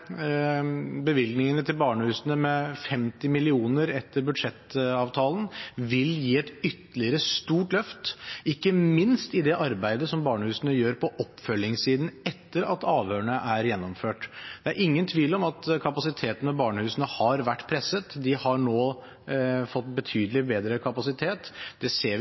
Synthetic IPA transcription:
bəʋɪlɡnɪŋənət̪ʰɪlbɑːɳəhʉːsənəmɛfɛmt̪ɪmɪlɪuːnəɾɛt̪ːəɾbʉd̪ʂɛt̪ɑːʋt̪ʰɑːlənʋɪljiːɛt̪ʏt̪ːəlɪəɾəst̪uːʈlœft̪ɪkːəmɪnst̪ɪd̪ɛʔɑɾbæɪd̪əsɔmbɑːɳəhʉːsənəjøːɾpʰɔʔɔpːfœlːɪŋsiːd̪n̩ɛt̪ːəɾɑ̰t̪ɑːʋhøːəɳəʔæɾjɛnːɔmføːʈd̪̥ɛæɾʔɪŋːənt̪ʰʋiːlɔmɑt̪kʰɑpɑsɪt̪ʰeːt̪ənɔbɑːɳəhʉːsnəhɑɾʋæʈːpʰɾɛsət̪d̪ɪhɑɳoː | fɔt̪ːbət̪ʰyːd̪əlɪbeːd̪ɾəkʰɑpɑsɪt̪ʰeːt̪d̪̥ɛseːɾʋ

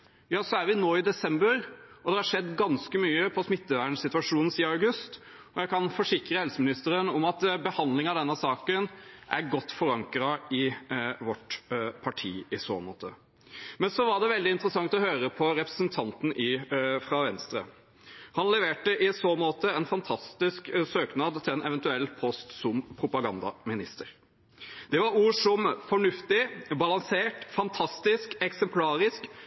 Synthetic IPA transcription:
jɑːsɔæɾʋɪnoːɪd̪ɛsɛmbəɾɔd̪ɛɾhɑɾʂɛd̪ːɡɑnskəmyːəpʰɔsmɪt̪ːəʋæːɳsɪt̪ʉɑʂuːnn̩siːəɑʉɡʉst̪ | ɔjæɪkʰɑnfɔʂɪkɾəhɛlsəmɪnɪst̪əɾənɔmɑt̪bəhɑnd̪lɪŋɑd̪ɛnːəsɑːkənʔæɾɡɔt̪ːfɔɾɑŋkɾɑɪʋɔʈpʰɑʈʰḭːɪso̰ːmo̰ːt̪ʰə̰ | mɛnsɔʋɑɖɛʋɛld̪ɪnt̪ɾəsɑŋt̪ɔhøːɾəpʰɔɾɛpɾəsnt̪ʰɑnt̪n̩ʔɪfɾɑːʋɛnst̪ɾə̰ | hɑnlɛʋeːʈəʔɪsoːmoːt̪əɛnfɑnt̪ʰɑst̪ɪsksøːknɑd̪t̪ʰɪlɛnɛʋɛnt̪ʉɛlːpʰɔst̪sɔmpʰɾʊpɑɡɑnd̪ɑ̰mɪnɪst̪əɾ | d̪̥ɛʋɑɾuːʂɔmfɔɳʉft̪ɪbɑlɑŋseːʈfɑnt̪ʰɑst̪ɪskɛksɛmpʰlɑːɾɪsk

